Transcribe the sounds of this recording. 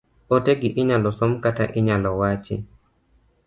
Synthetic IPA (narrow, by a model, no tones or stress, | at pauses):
ɔteɡɪʔɪɲalɔsɔmkataʔɪɲalɔwat͡ʃɪ̰